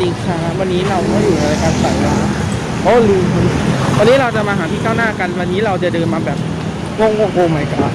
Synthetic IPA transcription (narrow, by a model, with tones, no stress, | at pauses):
t͡ɕi˧ŋt͡ɕʰaː˦˥wa˧nːiː˦˥ɾa˧wkʰɔː˥˩juː˨˩a˧ɾaː˧jkaː˧npa˨˩laː˦˥ | ʔɔː˦˥˩lɯː˧m˧wa˧nːiː˦˥ɾa˧wt͡ɕa˨˩maː˧ɦaː˩˦t̪ʰiː˥˩t͡ɕaː˥˩wnaː˥˩ka˧nwa˧nːiː˦˥ɾa˧wt͡ɕa˨˩dɤː˧nmaː˧bɛː˨˩p̚ | ŋo˥˩ŋŋo˥˩ŋʔoː˧ma˨˦jka˨˩˧